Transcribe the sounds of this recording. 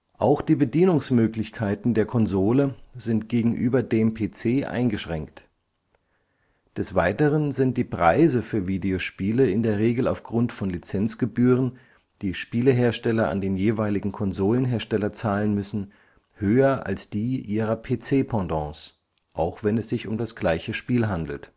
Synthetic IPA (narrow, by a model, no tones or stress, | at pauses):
ʔaʊxd̥iːbədiːnʊŋsmøːklɪçkʰaɪtn̩deːɐkʰɔnzoːləzɪntɡ̥eːɡŋ̩ʔyːbɐdeːmpʰeːt͡seːʔa̰ɪnɡəʃʁ̥ɛŋkt | d̥ɛsv̥aɪtəʁənzɪnt̚d̥iːpʁ̥aɪzəfyːɐviːdeoʃpiːləɪndeːɐʁ̞eːɡl̩aʊfɡ̥ʁʊntfɔnlit͡sɛnt͡sɡ̥əbyːʁən | d̥iːʃpiːləɦeːɐʃtɛlɐa̰ndeːnjeːvaɪlɪɡŋ̩kʰɔnzoːlənɦeːɐʃtɛlɐt͡saːlənmʏsn̩ | høːɐʔa̰lsd̥iːʔiːʁɐpʰeːt͡seːpʰɑ̃dɑ̃ːs | ʔaʊxv̥ɛnɛsz̥ɪçʊmdasɡ̥laɪçəʃpiːlɦandl̩t